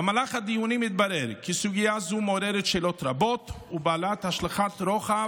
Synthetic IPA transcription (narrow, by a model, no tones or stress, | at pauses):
amalaχhad̪ijunimit̪̚baɾeɾkisuɡijazumeoɾeɾet̪ʃelot̪ɾabo̞t̪ | ubaalat̪haʃlaχat̪ɾoχa